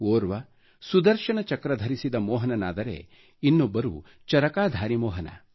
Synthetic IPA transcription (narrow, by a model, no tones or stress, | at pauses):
oːɾʋɐ | sud̪ɐɾʃɐnɐt͡ʃɐkɾɐd̪ʱɐɾisid̪ɐmɔːɦɐnɐnaːd̪ɐɾḛ | inːobːɐɾu | t͡ʃɐɾɐkaːd̪ʱaːɾimɔːɦɐnɐ̰